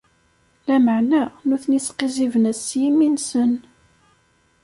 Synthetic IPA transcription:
læməʕnænuθnisqizivənæsːjiminsən

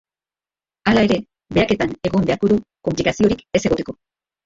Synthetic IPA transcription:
alae̞ɾe̞ | be̞ake̞t̪ane̞ɣo̞mbe̞aɾkoðuko̞mplikasio̞ɾike̞se̞ɣo̞t̪e̞̥ko̞

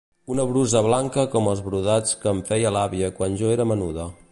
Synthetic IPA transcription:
unəβɾuzəβlaŋkəkɔməlˠzβɾuðat͡skəɱfɛjəlaβiəkwanʒoeɾəmənuðə

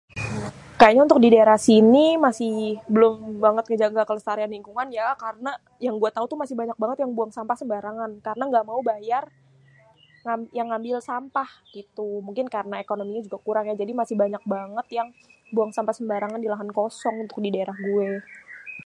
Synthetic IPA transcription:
kajaɲaunt̪ʊk̚didaeɾahsinimasɪhbəlʊmbaŋət̪̚ŋəd͡ʒaɡakələst̪aɾianiŋkuŋanjakaɾəna | jaŋɡuɛt̪aut̪umasɪhbaɲak̚baŋət̪jaŋbuaŋsampahsəmbaɾaŋankaɾənaŋɡaʔmaubajar | ŋajaŋːambɪlsampah | it̪umuŋkɪnkaɾənaekonomiɲad͡ʒuɡakuɾaŋjad͡ʒadimasɪhbaɲak̚baŋət̪jaŋ | buaŋsampahsəmbaɾaŋandilaɦankosɔŋunt̪ʊk̚didaeɾahɡuɛ

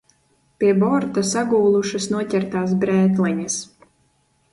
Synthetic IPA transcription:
pʲiɛbɔɾt̪asaɡuːlˠuʃɨsnuɔcʲɛɾt̪aːsbɾɛːt̪lɛɲas

